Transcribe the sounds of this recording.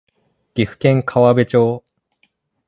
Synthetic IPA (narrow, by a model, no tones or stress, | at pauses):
ɡ̥ʲiɸɯ̟̥kẽ̞ŋkʰaβabe̞t͡ɕoː